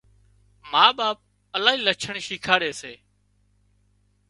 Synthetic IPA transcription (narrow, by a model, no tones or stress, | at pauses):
maːɓaːp̚ | əlaːĩːlət͡ʃʰəɳʃiːkʰaːɽeːseː